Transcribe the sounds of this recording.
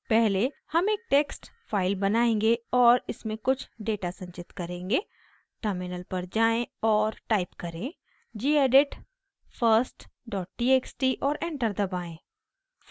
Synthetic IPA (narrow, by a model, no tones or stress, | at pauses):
pɛɦle | hɐmeːk̚ʈeːksʈfaːɪlbɐnaːẽːŋɡeɔːɾɪsmẽkʊt͡ʃʰɖeːʈasɐ̃ɲt͡ʃɪt̪kɐɾẽːŋɡe | ʈəɾmɪnəlpɐɾd͡ʒaːẽɔːɾʈaːɪpkɐɾẽ | d͡ʒiːeːɖɪʈ | fʰəɾsʈɖɔːʈ̚ʈieːksʈiʔɔːɾẽːɳʈəɾd̪ɐbaːẽː